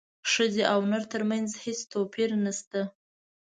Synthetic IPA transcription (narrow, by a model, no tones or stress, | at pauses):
ʂəzeʔawnəɾt̪əɾmanzhest̪opiɾnast̪a